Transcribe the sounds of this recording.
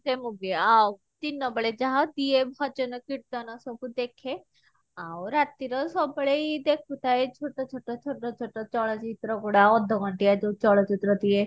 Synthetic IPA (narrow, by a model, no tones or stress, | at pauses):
t̪emuɡeaw | t̪inːɔbəɭed͡ʒaɦad̪iebʱɔd͡ʒɔnɔkiɽd̪ɔnɔsɔbud̪ekʰe | awɾat̪iɾɔsɔbəɭeid̪ekʰut̪aet͡ʃʰoʈɔt͡ʃʰoʈːɔt͡ʃʰoʈɔt͡ʃʰoʈɔt͡ʃɔɭɔt͡ʃit̪ɾɔɡoɽaɔd̪ʱːɔɡɔɳʈiad͡ʒot͡ʃɔɭɔt͡ʃit̪ɾɔd̪ie